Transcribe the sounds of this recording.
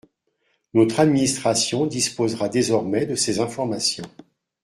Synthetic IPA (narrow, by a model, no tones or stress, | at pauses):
nɔt̪χad̪minist̪χasjɔ̃d̪ispozʁad̪ezɔʁmɛd̪əsezɛ̃fɔʁmasjɔ̃